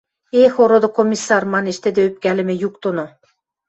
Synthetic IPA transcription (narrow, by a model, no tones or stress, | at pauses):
exoɾod̪ŏkomʲːisːɑrmɑneʃt̪ed̪ĕøp̚kʲælɘ̆mɘ̆juk̚t̪ono